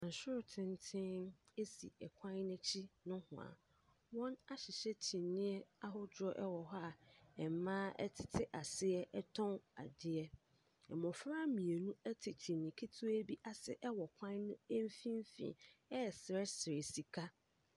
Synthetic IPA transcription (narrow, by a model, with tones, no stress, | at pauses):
ã˨n̩˨sʊ˦ɾtʰɪ̃˦n˦tʰɪ̃˦e˦sḭ˨ɛ˨kʷʰã˦nɪ̃˦t͡ɕʰi˦nʊ̃˦hʊ̰̃˨a̰˨ | wɔ̃˦na˦ɕɪ˨ɕɛ˦t͡ɕʰĩ˨nːĩ˦ɛ˦a˦ɦʊ˦dɾɔ˦ʔɛ˦wɔ˨ɦɔ˦a˨ɛ˨m˨mãː˦ʔɛ̰˦tʰɪ˨tʰɪ˦ʔa˨sɪ˦ɛ˦ʔɛ˦tʰɔ̃˦ŋa̰˨dɪ˦ɛ˦ | ɛ̰˨mʊ̃˨fɾa˦mĩ˨e˨nũ˦ɛ˦tʰɪ˨t͡ɕʰĩ˨nːɪ̃˨kʰi˦tʰu˦æ˦bi˦ʔa˨sɪ̰˦ʔɛ˦wɔ˨kʷʰã˦nnʊ̃˦ɛ˦m˦fĩ˦m˦fḭ̃˨ɛ˦˨sɪ˨ɾɛ˦sɪ˨ɾe˨si˨kʰa˦